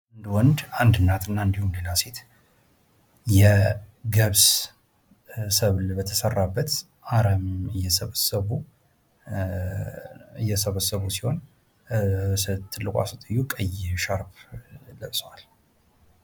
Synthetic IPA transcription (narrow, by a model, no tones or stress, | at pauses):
nd̪wɔnd̪and̪ɨnːat̪ʰɨnːaɨnd̪ihumle̞laset̪ | jɛɡəβs | səβlbət̪ʰəsərːabːət̪ | ʔaɾəmɨjːɛsəβəsəβu | ɨjːɛsəβəsəβusi̥ho̞n | sət̪ʰːɨlːɨkʼʷa̰sut̪ʼɨjːukʼəjʃaɾpləʔswal